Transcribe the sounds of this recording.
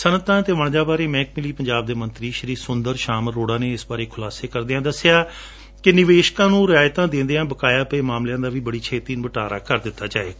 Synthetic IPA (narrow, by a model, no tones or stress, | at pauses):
sənət̪ãːt̪eːʋəɳ̃d͡ʒaːbaːɾeːmɛ̃ːk̚mɪliːpəɲd͡ʒaːb̚d̪eːmənt̪ɾiːʃəɾiːsʊnd̪əɾʃaːməɾːoːɽaːneːɪsbaːɾeːkʰʊlaːseːkəɾd̪eãːd̪əsːɪjaː | kɪnɪʋeːʃkãːnũːɾɪaːjt̪ãːd̪ɪ̃ːnd̪eãːbəkaːjaːpəeːmaːmljãːd̪aːʋiːbəɽiːt͡ʃʰeːt̪iːnũbəʈaːɾa̰ːkəɾd̪ɪt̪ːaːd͡ʒaːeː